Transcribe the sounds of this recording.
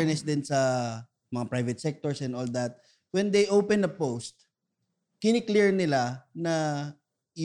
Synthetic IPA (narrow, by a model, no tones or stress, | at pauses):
ɹnɛsd̪ɪnsɐ | mɐŋapɹajvɛt̪̚sɛk̚t̪ɔɹsɛ̃nd̪old̪at̪̚ | wɛ̃nd̪ejʔowpɛ̃nɐpowst̪̚ | kɪnɪkliɹnɪlanɐ